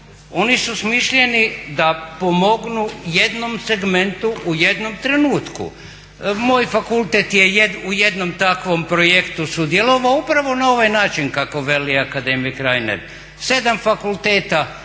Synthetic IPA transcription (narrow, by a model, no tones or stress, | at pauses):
o̞nisusmiʃʎe̞nid̪apomo̞ɡnuje̞d̪no̞mse̞ɡme̞nt̪uʔuje̞d̪no̞mt̪ɾe̞nuːt̪kṵ | mo̞ːjfakulˠt̪et̪jejed̪uje̞d̪no̞mt̪akʋo̞mpɾojekt̪usud̪jeloʋaupɾaʋo̞nao̞ʋajnaːt͡ʃinkako̞ʋe̞liakad̪emikɾajnḛɾ | se̞d̪amfakulˠt̪eːt̪a